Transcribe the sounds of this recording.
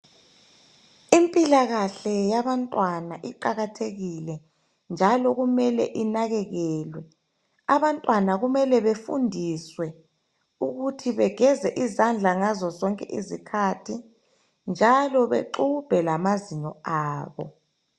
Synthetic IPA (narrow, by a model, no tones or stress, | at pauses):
impʼilaɣaɬɛjaβantʼwanaʔiǃaɣatʰeɣilɛ | nd͡ʒʱalɔɣumɛlɛ̰ʔinaɣɛɣɛːlwɛ | aβantʼwanaɣumɛlɛβefṵndʱiswɛ | uɣutʰiβɛɡ̥ʱɛzɛʔizand͡ɮʱaŋazɔzɔŋkʼɛʔizikʰatʰi | nd͡ʒʱalɔβḛǃub̥ʱɛlamaziɲɔaːβɔ̰